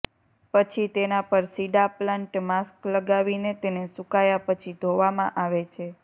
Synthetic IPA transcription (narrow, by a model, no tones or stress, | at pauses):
pət͡ʃʰit̪enapəɾsiɖaplãɳʈmaskləɡaʋinet̪enesukajapət͡ʃʰid̪ʱoʋamã̰ʔaʋet͡ʃʰe